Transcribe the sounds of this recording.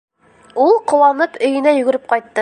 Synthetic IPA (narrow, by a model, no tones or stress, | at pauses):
ulˠqŏwɑnɤpɵ̆jɘ̆næjɵ̆ɡɵ̆ɾɘp̚qɑjt̪ːɤ